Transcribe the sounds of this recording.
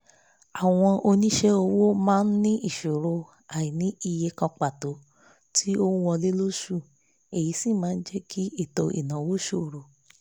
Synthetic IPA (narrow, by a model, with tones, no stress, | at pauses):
a˨w̃ɔ̃˧ʔo˧nĩ˦ʃe˦o˧wo˦mãː˦˧n̩˦nĩ˦ʔi˦˨ʃo˨ɾo˧ | a˨ji˨nĩ˦i˦˧je˧kɔ̃˧k͡pa˨to˨˦ | tʰi˦o˦ũ˦wɔ˧le˦lo˦ʃu˦˨ | e˨ji˨˦si˦˨mãː˨˦n̩˦d͡ʒɛ˦kʰi˦e˦˨to˧ʔḭ˨nã˨˦wo˦ʃo˦˨ɾo˨